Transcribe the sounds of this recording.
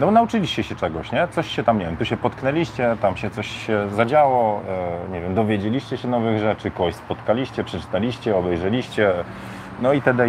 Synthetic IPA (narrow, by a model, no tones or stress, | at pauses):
nɔbɔnaut͡ʂɘlʲiɕt͡ɕɛɕɛt͡ʂɛɡɔɕɲɛt̪sɔɕɕɛt̪amɲevʲjɛmt̪uɕɛpɔt̪knɛlʲiɕt͡ɕɛt̪amɕɛt̪sɔɕɕɛzad͡ʑawɔɲɛvʲjɛmd̪ɔvʲjed͡ʑelʲiɕt͡ɕɛɕɛnɔvɘɣʐɛt͡ʂɘkɔɔɕspɔt̪kalʲiɕt͡ɕɛpʂɛt͡ʂɘ̥t̪alʲiɕt͡ɕɛɔbɛjʐɛlʲiɕt͡ɕɛ | nɔit̪ɛd̪ɛ